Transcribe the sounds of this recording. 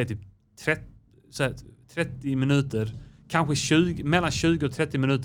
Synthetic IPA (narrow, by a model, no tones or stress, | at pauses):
t̪yːp̚ | t̪ʰɾɛt | st̪ʰɾɛt̪ːɪmɪnʉ̟ːt̪əɾkʰanɧəɕʉ̟ːɡəmɛlːanɕʉ̟ːɡəɔt̪ʰɾɛt̪ːɪmɪnʉ̟ːt̪